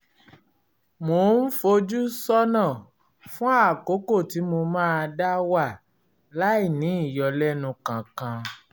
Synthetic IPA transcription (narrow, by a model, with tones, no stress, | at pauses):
mo˨˧˦n̩˦fo˧d͡ʒu˦sɔ˦nã˦˨ | fũ˦a˦˨ko˨˦ko˦˨ti˨˦mo˧mãː˦˧da˦wa˦˨ | la˦i˦˨nĩ˨˦i˦˨jɔ˧lɛ˦nũ˧kã˨kã˧